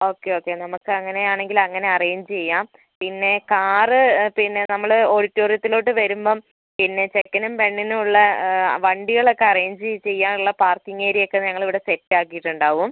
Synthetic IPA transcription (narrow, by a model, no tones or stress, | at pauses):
o̞ːkːe̞o̞ːkːe̞nɐmukːɨɐŋːɐne̞aːɳe̞ŋɡilɐŋːɐne̞ɐrejiɲd͡ʑɨt͡ɕejːaːm | pinːe̞kaːrɨpinːe̞nɐmːɐɭo̞ːɽitːoːrjɐt̪ːilo̞ːʈːɨʋɐɾumbo̞ː | pinːe̞t͡ɕe̞kːɐnumpe̞ɳːinuuɭːɐʋɐɳɖiɣɐɭo̞kːe̞ɐrejɲd͡ʑɨt͡ɕe̞jːaːnuɭːɐpaːrt̪iŋːeːɾijo̞kːe̞ɲɐŋːɐɭiʋiɽe̞setːaːkːijiʈːuɳɖaːʋum